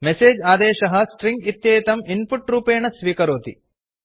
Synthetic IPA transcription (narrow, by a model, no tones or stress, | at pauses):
meseːd͡ʒaːd̪ɛːʃɐɦɐ̆sʈɾiŋɡit̪jeːjt̪ɐminpuʈɾuːpeːɳɐsʋiːkɐɾoːt̪ḭ